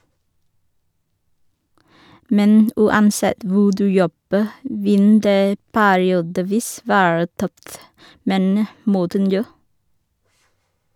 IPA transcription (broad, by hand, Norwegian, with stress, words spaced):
ˈmɛn ʉːɑnˈsɛt ˈʋuː ˈdʉː ˈjɔbə ˈʋɪn ˈdeː ˈpæːɾɪuːdəˌʋiːs ˈʋæːɹə ˈtœft ˈmeːnə ˈmɔtən ˈnjoː